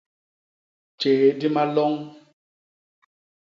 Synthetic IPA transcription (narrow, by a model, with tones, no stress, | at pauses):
t͡ʃe˨ɣe˨di˦ma˦lɔ˦ŋ